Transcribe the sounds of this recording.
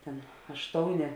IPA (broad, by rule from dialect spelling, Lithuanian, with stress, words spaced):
ˈtʲɛn ɐʃˈtoːʊˌnʲeː